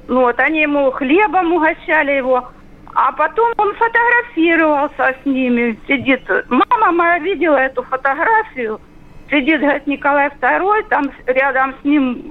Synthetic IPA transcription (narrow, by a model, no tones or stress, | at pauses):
nuot̪ɐnʲijɪmuxlʲe̞bɐmʊɦɐɕːælʲɪjɪvo̞ | ɐpɐt̪o̞monfət̪ɐɣɾɐfʲiɾəvɐlˠsʲəsʲnʲimʲɪsʲɪdʲit̪maməmɐjavʲidʲɪlˠəɛt̪ʊfət̪ɐɦɾafʲɪjʊ | sʲɪdʲit̪ɦɐɾʲit̪nʲɪkɐlˠajft̪ɐɾo̞jt̪amɾʲad̪əmsʲnʲim